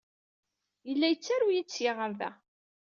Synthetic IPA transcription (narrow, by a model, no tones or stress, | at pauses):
jəlːæjət͡sːaɾujit͡sːjeʁəɾðæ̰